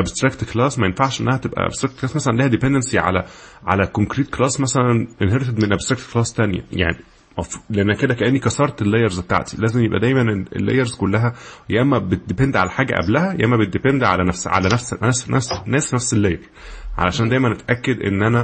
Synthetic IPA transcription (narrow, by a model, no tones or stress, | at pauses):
ʔæbst̪ɾˤækt̪klæːsmæjenfaʕʃʔenːæhæt̪ebʔæ̰ʔæ̰b̥st̪ɾækt̪klɑːsmæsælænliːhæd̪epend̪ensiʕa̰læʕa̰lækoŋkɾiːt̪̚klɑːsmæsælænʔenɦeɾet̪ed̪menʔæbst̪ɾˤækt̪klɑːst̪ænjæ̰ja̰ʕni | mæfleʔenːæked̪ækæʔenːikɑsɑɾˤt̪elːejɑɾˤztet̪a̰ʕt̪i̥læːzemjebʔæ̰d̪æjmæneḛlːḛjɑɾˤzkolːæɦæjæʔæmːæbed̪epend̪ʕalæħaːɡæ̰ʔæ̰blæhæjʔæmːæbet̪̚d̪epend̪ʕa̰lænæfsʕa̰lænæfsæsnæsnæsnæfselːejɑɾ | ʕa̰læʃæːnd̪æjmænʔet̪ʔækːed̪ʔḛnːʔænæ